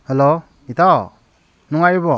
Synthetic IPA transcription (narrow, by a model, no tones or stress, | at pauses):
hɛlo | it̪aw | nuŋajubɔ